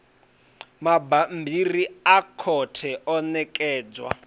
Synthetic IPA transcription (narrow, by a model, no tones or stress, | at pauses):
mabambiriakʰɔtʰɛʔɔnɛkʼɛːd͡zwa̰